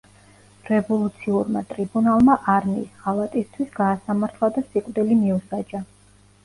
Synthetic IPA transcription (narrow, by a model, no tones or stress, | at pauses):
ɾɛvɔlˠut̪sʰiuɾma̰t̪ʼɾibunalˠmaʔaɾnḭsʁalˠat̪ʼist̪ʰwisɡaːsamaɾt̪ʰlˠad̪asiqʼvd̪ilimiusad͡ʒa